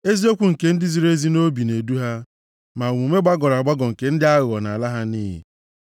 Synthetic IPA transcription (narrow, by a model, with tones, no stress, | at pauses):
e˦zi˦o˦kʷu˨ŋ̩˨ke˨n̩˦dɪ˦zi˨ɾe˦zi˦no˦bi˨ne˨du˦ɦa˦ | ma˨ŋʷu˨me˦ɡ͡ba˦ɡɔ˨ɾa˨ɡ͡ba˦ɡɔ˨ŋ̩˨ke˨n̩˦dɪ˦a˦ɣɔ˨na̰˨la˦ɦa˦niː˦ɦḭ˨